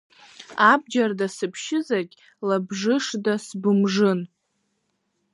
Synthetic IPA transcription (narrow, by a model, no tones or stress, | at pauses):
ab̚d͡ʒardasɨpʰʃɪzarkʲʼ | labʐɨʂdasbɨmʐɨn